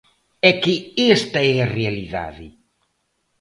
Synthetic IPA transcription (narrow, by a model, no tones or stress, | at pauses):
ɛkiest̪aɛarealiða̰ðɪ